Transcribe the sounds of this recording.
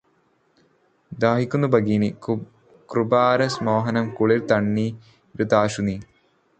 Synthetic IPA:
d̪aːɦikʲːunːubɐɡiːni | krubaːɾɐsmoːɦɐnɐmkuɭiɾt̪ɐɳːi | ɾud̪aːʂuni

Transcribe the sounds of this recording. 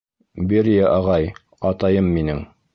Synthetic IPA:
biɾjæʔɑʁɑj | ɑt̪ɑjɤmːinɘŋ

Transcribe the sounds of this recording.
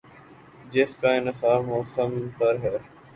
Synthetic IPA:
d͡ʑeːskãːɪnəsaːbmoːsəmpəɾɦɛɾ

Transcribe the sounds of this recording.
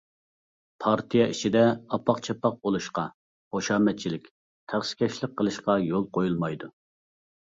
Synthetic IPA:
pʰɑɾt̪ʰijɑʔit͡ʃʰid̪ɛɑpʰɑqt͡ʃʰɛpːɑq̚bolˠuʃqɑ | χoʃɑːmɛt̪̚t͡ʃʰilɪkʲ | t̪ʰæχsɪ̥kʲʰɛʃlˠɪk̚qʰːəlˠɨʃqɑjolˠqʰojulˠmɑjd̪u

